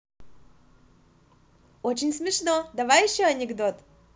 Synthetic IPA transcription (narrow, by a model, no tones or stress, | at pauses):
ot͡ɕɪnʲsmʲɪʂnod̪ɐvajɪɕːoɐnʲɪɡd̪ot̪